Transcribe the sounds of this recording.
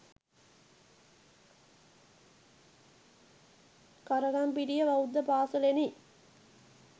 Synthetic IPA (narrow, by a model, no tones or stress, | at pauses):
kɐɾɐɣampiɾijɐʋɐwd̪ɐpaːsɐleni